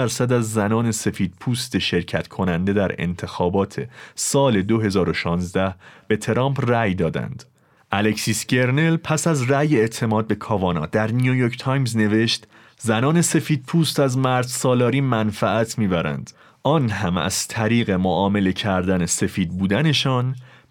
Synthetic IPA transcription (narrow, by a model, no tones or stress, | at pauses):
æɾsæd̪æzːænɒːne̞se̞fiːd̪̥̚pʰuːst̪e̞ʃe̞ɾcʰæt̪ʰkʰo̞nænd̪e̞d̪æɾḛnt̪ʰe̞xɒːbɒːt̪ʰe̞̰sɒːle̞d̪o̞ɦe̞zɒːɾo̞ʃɒːnzd̪æhb̥e̞t̪ʰe̞ɾɒːmpʰræjd̪ɒːd̪æ̰nd̪̥ | ʔæle̞csiːsce̞ɾne̞lpʰæsæzræːjeːʔt̪ʰe̞mɒːd̪̚be̞kʰɒːvɒːnɒ̰ːd̪̥æɾnijujoɾcʰt̪ʰɒjmzne̞ve̞ʃt̪ | zænɒːne̞se̞fiːd̪̚pʰuːst̪æzmæɾd̪sɒːlɒːɾiːmænfæʔæt̪ʰmiːbæɾæ̰nd̪̥ | ʔɒːnɦæmæ̰z̥t̪ʰæɾiːɣe̞moʔɒːme̞le̞cʰæɾd̪æne̞se̞fiːd̪̚buːd̪æne̞ʃɒːn